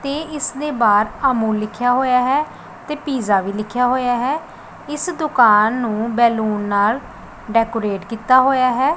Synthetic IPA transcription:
t̪eːɪsd̪eːbaːɾamũːllɪkʰːjaːɦoːjaːɦɛː | t̪eːpiːzaːʋiːlɪkʰjaːɦoːjaːɦɛː | ɪsd̪ʊkaːnːũːbɛːluːnːaːl | ɖɛːkoːɾeːʈkiːt̪aːɦoːjaːɦɛː

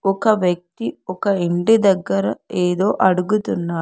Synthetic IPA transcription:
ɔkɐʋjɐk̚t̪iɔkɐiɳɖid̪ɐɡːɐɾɐeːd̪oːʔɐɽuɡut̪unːaː

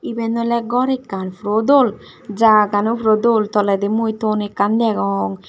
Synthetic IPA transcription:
ibɛnɔlɛɡɔɾekːanfɾod̪ol | d͡ʒaɡanufɾod̪olt̪ɔlɛd̪emujt̪onekːand̪ɛɡɔɔŋ

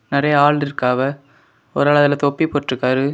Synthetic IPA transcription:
nɪrɐjɐaːɭɾɪɾkaːʋɐ | ɔɾaːɭɐðɪlɐt̪ɔpːipoːʈrɯkːaːɾɯ

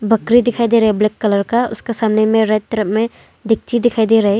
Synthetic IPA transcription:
bɐkɾid̪ɪkʰaːid̪eɾɐɦeblɪkːɐləɾkaʊ̰skesaːmnemẽɾɐt̪ːəɾəpmẽ | d̪ɪk̚t͡ʃid̪ɪkʰaːid̪eɾɐɦe

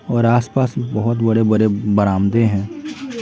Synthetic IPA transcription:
ɔːɾaːspaːsbɐɦʊt̪bɐɽebɐɾebɐɾaːmd̪eɦɛ̃ː

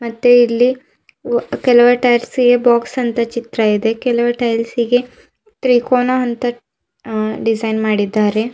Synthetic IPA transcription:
mɐt̪ːeilːi | kɛlɐʋɐʈɐjɾsiɡebaːksɐnt̪ɐt͡ʃit̪ɾɐid̪e̞kɛlɐʋɐʈɐjlsiɡe̞ | t̪ɾiːkoːnaːnt̪ɐ | ɖid͡ʒɐjnmaːɽid̪ːaːɾe̞

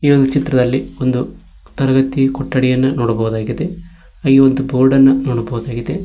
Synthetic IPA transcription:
iːond̪ut͡ʃit̪ɾɐd̪ɐlːio̞nd̪u | t̪ɐɾɐɡɐt̪ikɔʈːɐɽɛjɐnːɐnoːɽɐbɐɣud̪aːɡid̪e̞ | aɡio̞nd̪uboːɾɖɐnːɐnoːɽɐbɐɣud̪aːɡid̪e

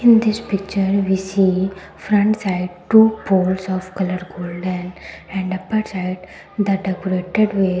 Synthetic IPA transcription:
ɪ̃nd̪ɪspɪk̚t͡ʃəɾʋisi | fɾə̃ɳʈsaɪɖʈupoːlsɔʋkɐləɾɡoːlɖə̃nɛ̃ɳɖɐpːəɾsaɪɖ | d̪əɖɛkoɾeʈeɖʋe

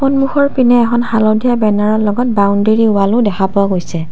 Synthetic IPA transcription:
pɔnmuxɔɹpinɛːkɔnxalodʱijabɛnaɹɔlɔɡɔt̚bawndeɹiʊalʊdɛxʰapʊaɡojsɛ

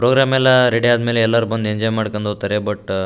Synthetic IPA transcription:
pɾoɡɾaːmɛlːɐɾeɖiaːd̪meːleɛlːɐɾuːbɐnd̪ueɲd͡ʒɔːjmaːɽkɐnd̪ɦot̪ɐɾebɐʈː

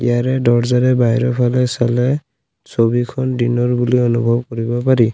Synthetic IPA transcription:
ijaɹɛdɔɹzaɾɛbajɹɔpʰalɛsalɛ | sobikʰɔndinɔɹbuliɔnubʱɔb̚kɔɹibɔpaɹi

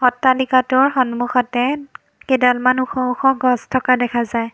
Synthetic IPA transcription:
xɔtːalikatʊɹxɔnmuxɔtɛ | kedalmanuxɔuxʰɔɡɔstʰɔkadɛkʰazaj

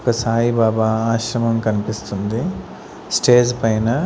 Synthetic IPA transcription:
kɐsaːɦibaːbaːaːʃɾɐmɐmkɐnipist̪und̪i | sʈeːd͡ʒpɐjnɐ

